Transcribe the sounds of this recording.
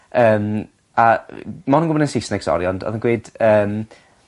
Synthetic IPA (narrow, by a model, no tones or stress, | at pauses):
əːm | amɔnənɡʊbɔnɛnsisnɛɡ̥sɔ̰ɾjɔndɔ̰ðənɡweɨd̥əːm